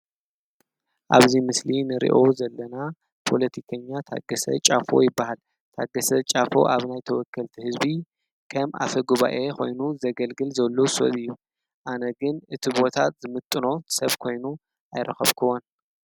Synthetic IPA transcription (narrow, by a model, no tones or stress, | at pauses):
ʔa̰βzimɨslinɨɾḭʔo̞zɐlːɐna | pʰo̞lɐt̪ʰikʰɐɲːat̪ʰa̰ɡɐsɐ̰t͡ʃʼafo̞jɪbːahal | t̪ʰaɡɐsɐt͡ʃʼafo̞̰ʔaβnajt̪ʰɐwɔkʰːɐlt̪ʰihɨzbi | kʰɐmʔa̰fɐɡuβa̰ʔe̞kʰo̞̰jnuzɐɡɐlɡɨlzɐlːoso̰βɨjːu | ʔanɐɡɨnʔɨt̪ʰibo̞t̪ʰat̪zɨmɨt̪ʼːɨno̞t̪sɐβkʰo̞jnu | ʔajɾɐxɐ̰βkʰɐwːon